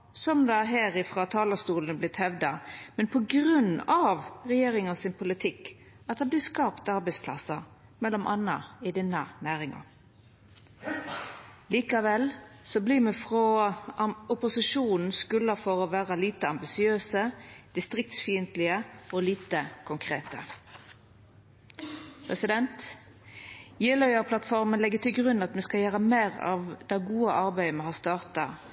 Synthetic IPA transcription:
sɔmd̪ɛæɦæːɾɪfʁɑːt̪ʰɑːləst̪uːln̩əblɪt̪hɛʋd̪ɑmɛnpʰɔɡɾʉnːɑʋʁɛjeːɾɪŋɑnsɪnpʰʊlɪt̪ʰɪk | ɑt̪hɑnblɪːskɑːpt̪ɑɾbɛɪspʰlɑ̰səmɛlːɔmʔɑnːɑɪd̪ɛnːɑnæːɾɪŋɑ̰ | liːkɑʋɛlsɔbliːmɛfʁɔ | ʊpʊsɪʃuːnn̩skʉləfɔʁoːʋæːʁəliːt̪əɑmbɪsɪøːsəd̪̥ɪst̪ʁɪk̚t̪sfiːənt̪lɪəoːliːt̪əkʰʊŋkʰʁeːt̪ə̰ | pʰʁɛsɪd̪ɛnt̪ | jeːlœʏəʁpʰlɑt̪fɔʁmənlɛɡːət̪ɪlɡʁʉnːɑt̪mɛskɑjæːʁəmeːʁɑ̰ʋd̪̥ɑːɡuːəʔɑʁbæɪmɛhɑːst̪ɑːʁt̪ɑ

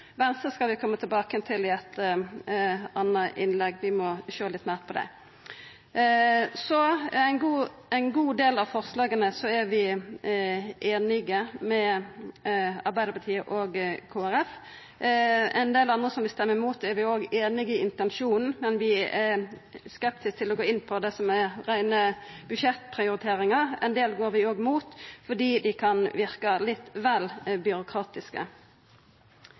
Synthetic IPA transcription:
ʋɛnst̪əskɑlʋɪkʰɔmːət̪ʰɪlbɑːkəɛnt̪ʰɪlɛt̪ːə | ɑnːəʔɪ̰nlɛɡːʋɪmɔʃøːlɪt̪ːmæːʁt̪pʰɔd̪æ̰ɪ | sɔæɪnɡuː | æɪnɡuːd̪eːlɑʋfɔʁslɑːɡənəsɔæɾʋɪ | ʔeːnɪɡəmɛ | ɑɾbæɪd̪əpʰɑt̪ʰiːəʔoɡkʰoːæɾɛf | ɛnd̪eːlɑnd̪ʁəsɔmʋɪst̪ɛmːəmuːt̪ɛɾʋɪoːɡeːnɪɡəɪnt̪ɛnʃuːnn̩mɛnʋɪɛskɛpt̪ʰɪsk̚t̪ʰɪlɔɡoːɪnːpʰɔd̪ɛsɔmɛɾæɪnəb̥ʉʃɛt̪pʰʁɪʊɾɪt̪ʰeːɾɪŋɑʁɛ̰nd̪eːlɡoːɾʋɪoːɡmuːt̪fɔɖiːd̪ɪkʰɑnʋɪʁkɑlɪt̪ːʋɛlbʏɾʊkʰʁɑːt̪ɪskə̰

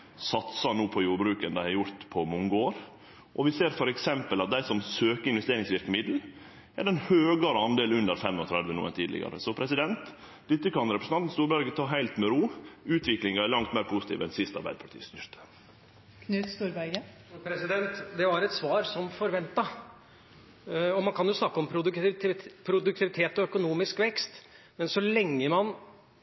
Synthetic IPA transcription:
sɑt̪sɑnuːpʰɔjuːɾbɾʉːkənd̪æɪhæɾjʊɾt̪pʰɔmɔŋɡəoːɾ | ʔɔʋɪseːɾfɔɾɛksɛmpəlɑt̪̚d̪æɪsɔmsøːkəɾɪnʋɛst̪eːɾɪŋsʋɪɾkəmɪd̪l̩ | æɾɛnhøːɡɑɾəɑnd̪eːlʉnd̪əɾfɛmɔt̪ʰɾæd̪ʋənṵːə̰nt̪ʰiːd̪lɪ̰ɡɑ̰ɾə̰sɔpʰɾɛsɪd̪ɛnt̪ | d̪ɪt̪ːəkɑnɾɛpɾəsn̩ɑnn̩st̪uːɾbæɾɡət̪ʰɑːɦæɪlt̪mɛɾuːʉːt̪ʰʋɪklɪŋɑæɭɑŋt̪mæːɾpʰʊsɪ̥t̪ḭːʋɛnsɪst̪ɑ̰ɾbæ̰ɪd̪əpʰɑʈʰḭːst̪ʏɾt̪ə̥ | kʰnʉːt̪st̪uːɾbæɪɡə | pʰɾɛsɪd̪ɛnt̪d̪ɛʋɑɾɛt̪sʋɑːɾsɔmfɔɾʋɛnt̪ɑ | ɔmɑnkʰɑnjʊsnɑkːəɔmpʰɾʊd̪ | pʰɾʊd̪ʉk̚t̪ɪʋɪt̪ʰeːt̪ɔœkʊnuːmɪskʋɛkst̪ | mɛnsɔlɛŋːəmɑn

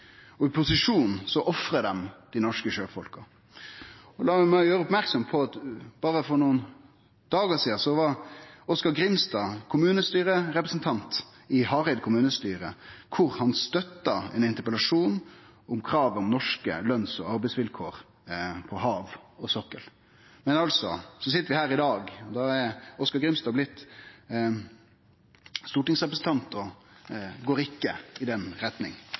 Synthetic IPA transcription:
ɔɪpʰʊsɪʂuːnsɔʔɔfɾəd̪ɛmd̪̥ɪnɔʂkəʃøːfɔlkɑ | ɔlɑːmæjøːɾəʊpmæɾksɔmpʰɔɑt̪bɑːɾəfɔɾnuːən | d̪̥ɑːɡəsiːɑsɔʋɑɔskɑɾɡɾɪmst̪ɑːkʰʊmʉːnəst̪yːɾəɾɛpɾəsn̩t̪ʰɑnt̪ | ɪhɑːɾɛɪd̪̚kʰʊmʉːnəst̪yːɾəkʰʊɾhɑnst̪œt̪ːɑɛ̰nɪnt̪əpəlɑʂuːn | ʊmkʰɾɑːʋəɔmnɔʂkə̰lœnsɔ̰ɑɾbɛɪsʋɪlkʰoːɾ | pʰɔhɑːʋɔsɔkːəl | mɛnɑlsɔsɔs̬ɪt̪ːəɾʋɪhæːɾɪd̪ɑːɡɔd̪ɑɛɾɔskɑɾɡɾɪmst̪ɑːblɪt̪ː | st̪uːʈɪŋsʁɛp̬ɾəsn̩t̪ʰɑnt̪ɔ | ɡoːɾɪkːəɪd̪ɛnɾɛt̪nɪ̰ŋ

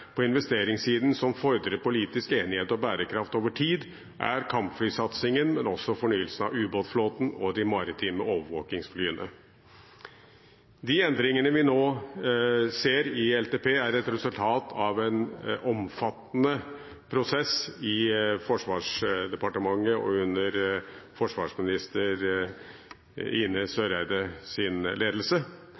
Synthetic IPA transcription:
pʰɔɪnʋɛst̪eːɾɪŋsiːd̪n̩sɔmfɔɾd̪ɾəpʊliːt̪ɪskeːnɪheːt̪ɔbæːɾəkʰɾɑft̪oːʋəʈʰiːd̪ | ʔæ̰ɾkʰɑmpflyːsɑt̪sɪŋənmɛnɔsːɔfɔɳyːəlsnɑ̰ʋʉːboːt̪floːt̪n̩ɔd̪ɪmɑɾɪt̪ʰiːməoːʋəɾʋo̰ːkɪŋsflyːənə̰ | d̪iːɛnd̪ɾɪŋənəʋɪnoː | seːɾɪɛlt̪eːpʰeːæɾɛt̪ɾɛsʉlt̪ʰɑːt̪ʰɑʋɛnʔɔmfɑt̪ːnə | pʰɾʊsɛsɪfɔʂʋɑːʂd̪ɛpɑʈəmɑŋːəɔ̰ʉnəɾfɔʂʋɑːʂmɪnɪst̪əɾ | ɪnəsøːɾæɪd̪əsɪnleːd̪lsə

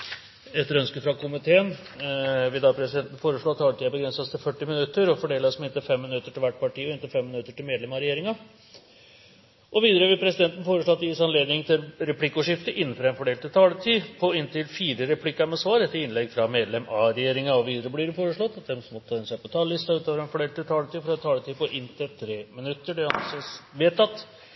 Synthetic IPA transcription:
ɛt̪ːəɾœnskəfɾɑkʰʊmɪt̪ʰeːən | ʋɪd̪ɑpʰɾɛsɪd̪ɛnt̪n̩foːɾəʂɭoːɑt̪ʰːɑːlət̪iːəæbəɡɾɛnsɑst̪ʰɪlfœʈːɪmɪnʉt̪ːəɾɔfɔɖeːlɑsmɪnt̪əfɛmːɪnʉt̪ːəʈʰɪlʋæʈ̚ːpɑʈʰiːɔɪnt̪əfɛmːɪnʉt̪ːəʈɪlmeːd̪lɛmɑɾɛjeːɾɪŋɑ | ʔɔʋiːd̪əɾəʋɪlpʰɾɛsɪd̪ɛnt̪ən̩foːɾəʂɭoːt̪ːjɪsɑnleːd̪nɪŋt̪ʰɪlɾɛpʰlɪkːuʂɪft̪əʔɪnːən̩fɔɾɛnfɔɖeːlt̪ʰɪt̪ʰɑːlət̪ʰiːpʰɔɪnt̪ɪlfiːɾəɾɛpʰlɪkːɑmɛsʋɑːɾɛt̪ːəɪnlɛɡfɾɑmeːd̪lɛmɑɾɛjeːɾɪŋɑɔʋiːd̪əɾəblɪɾfoːɾəʂɭɔt̪ːɑt̪̚d̪ɛmsmɔɛnsæpɔt̪ʰɑːlːɪst̪ɑʉːt̪oːʋəɾɛnfɔɖeːlt̪ɪt̪ʰɑːlət̪iːfɾɑt̪ʰːɑːlət̪ʰiːpɔʔɪnːt̪ʰɪlt̪ʰɾeːmɪnʉt̪ːəɖɛɑnsɛʋeːt̪ːɑt̪ː

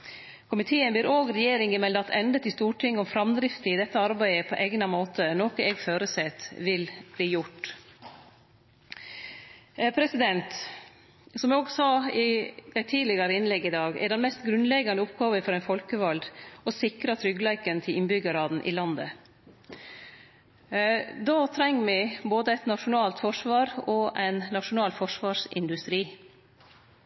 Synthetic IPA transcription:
kʰʊmɪt̪ʰeːənbɪːɾʔoːɡɾɛjeːɾɪŋɪmɛld̪ɑt̪ʰɛnd̪ət̪ɪst̪uːʈʰɪŋːɔmfɾɑmd̪ɾɪft̪əɪd̪ɛt̪ːəɑɾbæɪəpʰɔ̰ʔeɡnɑmoːt̪ənoːkəɛːɡføːɾəsɛt̪ʋɪlbliːjʊʈ | pʰɾɛsɪd̪ɛnt̪ | sɔmɛoːɡsɑːɪd̪ɛɪt̪ʰiːlɪɡɑɾəɪnlɛɡɪd̪ɑːɡɛ̰ɖɛnmɛst̪ɡɾʉnlɛɡɑnəʊpɡɑːʋəfɔɾɛɪnfɔlkəʋɑld̪ɔsɪkɾɑt̪ʰɾʏɡlæɪkənt̪ʰɪlʔɪnbʏɡəɾɑːd̪n̩ʔɪ̰lɑnd̪ə̰ | d̪oːt̪ʰɾɛŋːmɪboːd̪əɛɪt̪nɑʂʊnɑːlt̪fɔʂʋɑːɾɔʔæɪnːɑʂʊnɑːlfɔʂʋɑːʂɪ̰nd̪ʉst̪ɾiː

